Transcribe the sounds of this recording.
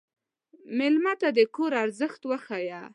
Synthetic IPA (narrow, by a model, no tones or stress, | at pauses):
mɪlmat̪ad̪əkoɾaɾzəxt̪wəxaja